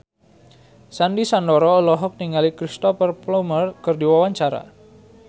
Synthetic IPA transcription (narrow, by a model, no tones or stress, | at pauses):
sandisandɔɾɔlɔɦɔk̚niŋalikɾist̪ɔfərplɔmərkɨrdiwawaɲt͡ʃaɾa̰